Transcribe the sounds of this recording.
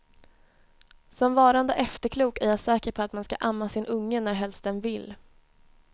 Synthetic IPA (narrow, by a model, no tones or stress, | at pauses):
sɔmvɑːɾand̪əʔɛft̪əɾkʰluːkæɾjasɛːkəɾpʰɔat̪manska̰ʔamːasɪnʔɵŋːənæɾɦɛlst̪ənvɪlː